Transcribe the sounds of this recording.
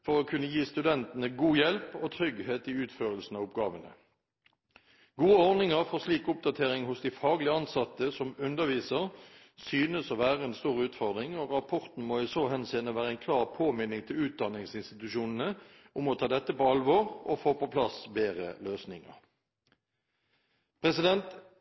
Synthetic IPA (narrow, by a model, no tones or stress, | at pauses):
fɔʁɔkʰʉnːəjiːst̪ʉd̪ɛnt̪ənəɡuːjɛlpɔt̪ʰʁʏɡheːt̪ɪʉːt̪føːʁəlsn̩ɑːʋʊpɡɑːʋənə̰ | ɡuːəɔʁnɪŋəʁfɔʁsliːkʊp̚d̪ɑt̪ʰeːʁɪŋhʊsd̪ɪfɑːɡlɪəɑnsɑt̪ːəsɔmʉnd̪əʁʋiːsəʁ | syːnəsɔʋæːʁəɛnst̪uːʁʉːt̪fɔʁd̪ʁɪŋoʁɑpʰɔʁt̪n̩moːɪsoːhɛnseːnəʋæːʁəɛɪnkʰlɑːʁpʰoːmɪnɪŋt̪ʰɪlʉːt̪̚d̪ɑnɪŋsɪnst̪ɪt̪ʉʃuːnən̩əʔʊmɔt̪ʰɑːd̪ɛt̪ːəpɔɑlʋoːʁɔfoːpopʰlɑsbeːʁə̰løːsnɪŋə̰ʁ | pʰʁɛsɪd̪ɛnt̪